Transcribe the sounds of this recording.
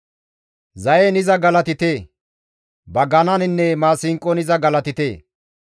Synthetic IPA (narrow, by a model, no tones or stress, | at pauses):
zɐjɛnɪzɐɡɐlɐt̪ɪt̪eː | bɐɡɐnɐnɪnːɛmaːsɪŋkʼːɔnɪzɐɡɐlɐt̪ɪt̪eː